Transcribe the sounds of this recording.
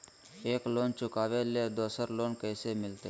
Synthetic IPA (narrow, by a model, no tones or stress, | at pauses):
eːkloːnt͡ʃʊkaːʋeled̪oːsəɾloːnkəːsemɪlt̪eː